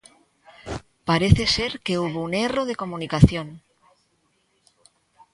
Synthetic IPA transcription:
paɾeθese̞ɾke̞uβouneroð̞eko̞mũnikaθjõn

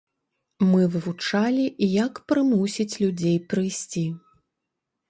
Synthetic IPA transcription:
mɨvɨvut͡ʂalʲiʔijɐkpɾɨmusʲit͡sʲlʲud͡zʲejpɾɨjsʲt͡sʲi

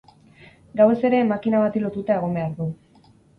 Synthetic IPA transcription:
ɡawe̞se̞ɾe̞makinaβat̪ilo̞t̪ut̪ae̞ɣ̞o̞mbe̞aɾðu

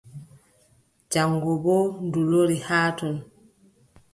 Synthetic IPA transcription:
d͡ʒaŋɡɔbɔnduloɾihaːtɔn

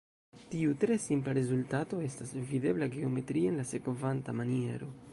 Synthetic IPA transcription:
tiutɾe̞simplaɾe̞zultato̞e̞stasvide̞blaɡe̞o̞me̞tɾienlase̞kvantamanie̞̰ɾo̞

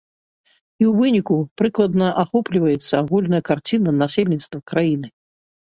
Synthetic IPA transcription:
iwvɨnʲikupɾɨklˠɐd̪nɐʔaxɔplʲivɐjɛt̪sːɐaɣulʲnɐjɐkart͡sʲinɐnasʲelʲnʲit̪st̪vɐkɾajinɨ

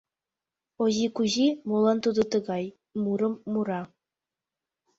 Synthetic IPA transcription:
oʑikuʑimulˠɑnt̪ud̪ɤ̆t̪ɤ̆ɡɑj | muɾɤ̆mːuɾɑ

